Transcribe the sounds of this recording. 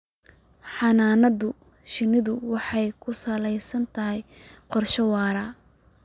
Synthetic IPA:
ħɑnaːnɐðʊ | ʃɪnɪðʊwɑħɑjkʰʊsɐlɛjsɐnt̪ʰɐɦɛjqɔrʃɐwɑːɾɐ

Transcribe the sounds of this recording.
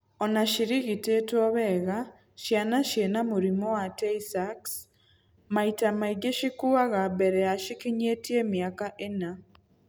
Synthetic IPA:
ɔnaʃiɾiɣitetwɔβɛɣa | ʃjanaʃjenamuɾimɔwatɛisaks | maitamaiɡeʃikuaɣabɛɾɛaʃikiɲetiemjakaʔena

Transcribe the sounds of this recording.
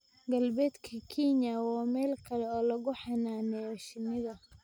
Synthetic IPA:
ɡɐlbɛːd̪kʰɐkʰinawaːmɛːlkʰɐlɛɔːlɐɣʊħɑnaːnɛɔʃɪnɪðɐ

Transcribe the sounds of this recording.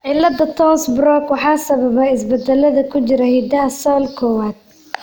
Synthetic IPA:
ʕɪlɐd̪ɐt̪ʰɔːnsbɾɔkwɑħɑːsɐβɐβɛɪsbɐd̪ɛlɐðɐkʰʊt͡ʃɪɾɐhiːd̪ɐɦɐsɔlkʰɔːwaːd̪̥̚

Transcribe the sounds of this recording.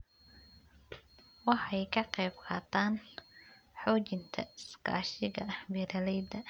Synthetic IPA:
wɑħɑjkʰɐqɛːbqʰɑːt̪ʰaːn | ħɔːt͡ʃɪnt̪ʰɐɪska̰ːʃɪɣɐmɛːɾɐlɛjd̪ɐ

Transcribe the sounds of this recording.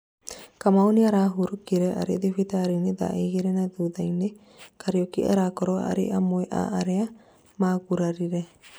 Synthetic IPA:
kamawniaɾaɦuɾukiɾeʔa̰ɾḭd̪ifit̪aɾinid̪a̰ʔiɡiɾenad̪ud̪ajni | kʰaɾiokiʔa̰ɾakɔɾɔa̰ɾḭʔamojʔa̰ʔaɾea | maɡuɾaɾiɾe

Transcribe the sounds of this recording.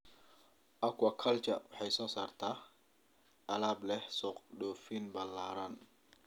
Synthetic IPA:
ʔakwakʰɐlt͡ʃɐ̰wħɛjsɔːsart̪ʰa | ʔɐlaːblɛhsɔqɗɔfinbɐlːaɾan

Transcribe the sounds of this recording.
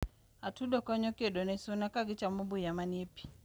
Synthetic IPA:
atudɔkɔɲɔkedɔnɛsunakaɡit͡ʃamubujamanepi̥

